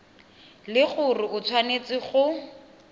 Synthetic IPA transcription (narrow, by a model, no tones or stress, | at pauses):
lɪχʊrɪʊt͡sʰwanet͡sɪχʊ